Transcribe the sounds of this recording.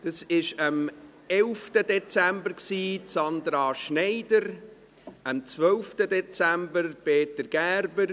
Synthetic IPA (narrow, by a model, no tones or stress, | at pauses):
d̥ɑsɪʃəm | ɛlftədɛt͡sæmbəɾksiːsɑnd̪ɾɑʃnɛɪdəɾ | əmt͡svœlftədɛt͡sæmbəɾpeːtəɾɡ̥æːɾbəɾ